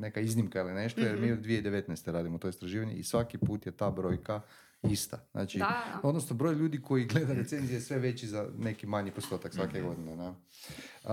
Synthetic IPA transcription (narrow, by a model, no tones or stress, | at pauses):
ne̞kaiznimkailine̞ʃt̪ojeɾmiːod̪d̪ʋijeid̪eʋe̞t̪nɛst̪eɾaːd̪imot̪o̞ist̪ɾaʒiːʋaɲḛisʋakipuːt̪je̞t̪aːbɾo̞jka | ist̪aznʔa̰ːt͡ʃio̞d̪nosnobɾo̞ːjʎuːd̪iko̞jiɡle̞d̪aɾet̪se̞nzijesʋe̞ʋe̞t͡ɕizane̞kimaɲipost̪o̞ːt̪aksʋakeɡo̞d̪inena